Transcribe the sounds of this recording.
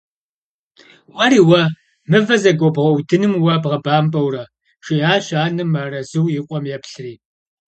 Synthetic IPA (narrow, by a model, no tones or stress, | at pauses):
ʔʷɐɾiːwɐ | mɨvɐzɐɡʷɔbʁɐwdʰɨnɨmwɐbʁɐbaːmpʼɐwrɐ | ʃiaːɕaːnɨmaːrɐzɨwjɪqʷʼɔmjɛpɬɨriː